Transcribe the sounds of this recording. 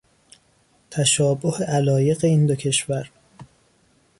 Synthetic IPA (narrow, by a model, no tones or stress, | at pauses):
t̪ʰæʃɒːboheʔælɒːje̞ɣeiːnd̪ocʰe̞ʃvæɾ